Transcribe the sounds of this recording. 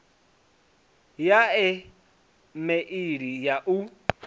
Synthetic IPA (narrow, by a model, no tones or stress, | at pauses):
jaɛ | mɛʔiɾijaʔu